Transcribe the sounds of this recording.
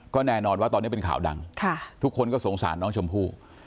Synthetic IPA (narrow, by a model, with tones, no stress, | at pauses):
kɔː˥˩nɛː˥˩nɔː˧nwaː˥˩ɔ˧ni˦˥˩pe˧nkʰa̰ː˩˦wda̰˧ŋkʰa˥˩t̪ʰu˦˥kʰːo˧nkɔː˥˩so˩˦ŋsa̰ː˩˦nːɔː˦˥ŋt͡ɕʰo˧mpʰuː˥˩